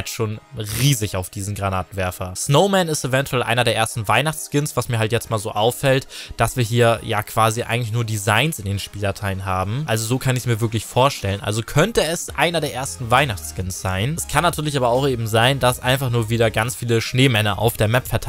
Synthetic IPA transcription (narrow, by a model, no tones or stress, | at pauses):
ʃoːnʁiːzɪçaʊfd̥iːzn̩ɡʁanaːtn̩vɛɐfɐsnoʊmɛnɪstevɛntʰuɛlʔa̰ɪnɐdeɐeːɐstn̩vaɪnaχt͡sskɪnsv̥asmiːɐɦaltjɛt͡stmaːlzo̰ːʔaʊfɛltd̥asv̥iːɐɦiːɐja̰ːkʰv̥aːziʔa̰ɪɡŋ̩lɪçnuːɐdizaɪnsɪndeːnʃpiːldatʰaɪənɦaːbm̩ʔalzozoːkʰanɪçsmiːɐvɪɐk̬lɪçfoːɐʃtɛlənʔa̰lzokʰœntəɛsʔaɪnɐdeːɐeːɐstn̩vaɪnaχt͡skɪnsz̥aɪnskʰanːatʰyːɐlɪç̬ʔaːbɐaʊxʔeːbm̩zaɪndasʔa̰ɪnfaχnuːɐviːdɐɡant͡sfiːləʃneːmɛnɐʔa̰ʊfd̥eːɐmɛpfɛɐtʰa